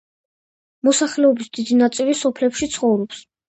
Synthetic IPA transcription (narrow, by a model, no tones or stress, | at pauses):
mɔsaχlɛɔbisd̪id̪inat̪sʼilisɔpʰlɛpʃit̪sʰχɔvɾɔps